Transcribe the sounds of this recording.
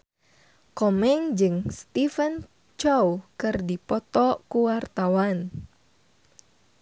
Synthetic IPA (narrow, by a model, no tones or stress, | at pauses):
kɔmɛŋd͡ʒɨŋst̪ifən | t͡ʃowkɨrdipɔt̪ɔkuwart̪awan